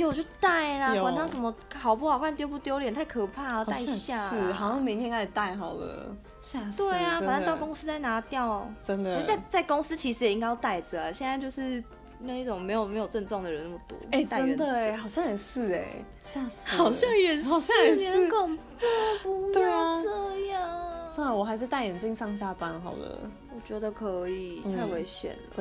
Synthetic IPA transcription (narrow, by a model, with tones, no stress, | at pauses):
wt͡ɕjo˥˧ʊt̪a˥˩ɪlə˨wa˦nnfʰɑ˧˥ŋsə˧˥nmə˧xɑ˨˩ʊpu˥˩xɑ˨˩ʊkʰwa˥˧nt̪jo˥p̬u˥˩t̪jo˥ʊljɛ˨˩nt̪ʰa˥˩ɪkʰɤ˨˩pʰa˥˩t̪a˥˧ɪɕja˥˧˥hɑ˨˩ʊɕjɑ˥˩ŋmĩ˨˥ŋnjka˥˩t̪a˥˩ɪxɑ˨˩ʊd̪ə̰ | ɕja˥˧t̪we˥˩ɪa˩˧ə˨na˥t̪ʊko˥ŋs̩˧˥t͡sa˥˩ɪna˧˥t̪jɑ˥˨ʊʈ͡ʂə˦nd̪ə˨˧˥a˥˧ɪt͡sa˥˩ɪko˥ŋs̩˧˥t͡ɕʰi˧˥ʂɻ̩˧jɛ˨˩i˧˥ŋkɪjɑ˥˧t̪a˥˩ɪd͡zə˨˩ə˩ɕjɛ˥˧nt͡sa˥˧ɪt͡ɕjo˥˧ʊʂɻ̩˥˧ | na˥˧i˥˩ʈ͡ʂo˨˩ŋme˧˥ɪjo˨˩me˧˥ɪjo˨˩ʊʈ͡ʂə˥˧nʈ͡ʂwɑ˥˩ŋd̪ə˩ɻə˨˦na˥˩mə˩t̪wɔ̰˧˥e˥˩a˥ə˦nd̪ə˨e˨˩xɑ˨˩ʊɕjɑ˥ŋɻə˨˦nsɹ̩˥˩ḛ˨˩ | ɕja˥˧s̩hɑ˨˩ʊɕjɑ˥˧ŋɥɛ˨˩nsʊɕjɑ˥˧ŋɛ˨n˧˥kʰo˨˩ŋpɔ˥˩pu˧˥˩t͡sə˥˧ja˥˩sa˥ŋa˨˩wɔ˨˩xa˧˥ɪʂ̬̩˥˧t̪a˥˩ɪjɛ˨˩ni˥˧ŋsɑ˥˧ŋɕja˥˧pa˦˥nxɑ˨˩ʊdə̰˦ | wɔ˨˩t͡ɕɥɛ˧˥d̪ə˨kʰɤ˧˦i˨˩a˥˩we˧˥ɪɕɥɛ̰˨˩nl